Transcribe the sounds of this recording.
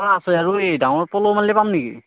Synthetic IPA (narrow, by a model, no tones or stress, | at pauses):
ɾaasɯaɹuedaw̃ɔɹpɔlomallɛpamnikḭ